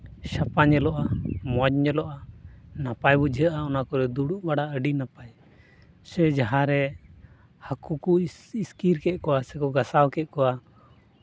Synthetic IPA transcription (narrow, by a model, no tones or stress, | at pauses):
ʃapaɲɛlɔʔamɔd͡ʒɲɛlɔʔanapajbɔd͡ʒəʔaɔnakɔɾɛd̪uɽuʔbaɽaəɖinapaj | sɛd͡ʒaɦaɾɛ | hakukuiskiɾkɛʔ̪̚kɔwasɛkɔɡasawkɛʔ̪̚kɔa